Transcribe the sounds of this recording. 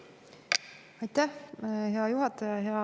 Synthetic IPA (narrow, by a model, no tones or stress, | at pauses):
ɑjt̪ːæhɦeɑjuɦɑt̪ːˑɑjɑɦeɑ